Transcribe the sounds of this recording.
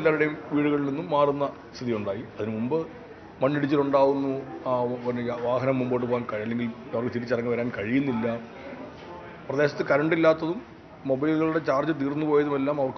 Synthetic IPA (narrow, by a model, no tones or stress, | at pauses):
lːaːʋiɽeʋiːɽuɣɐɭilninːumːaːrunːɐ | st̪ʰiðijuɳɖaːjiɐðinɨmumbɨ | mɐnːiɽit͡ɕːiluɳɖaːɣunːu | nʋaːɦɐnɐmːumboːʈːɨpoːaːnkɐɻɐlːe̞ŋɡilɐʋɐrkːɨt̪iɾit͡ɕːɐrɐŋːɨʋɐɾaːnkɐɻijunːilːɐ | prɐd̪eːɕɐt̪ːɨkɐɾɐɳɖilːaːt̪ːɐðumː | o̞bɐjlɣɐɭuɽe̞t͡ɕaːrd͡ʑɨt̪̬iːrnːupo̞ːjɐðume̞lːaːmɐʋɐrk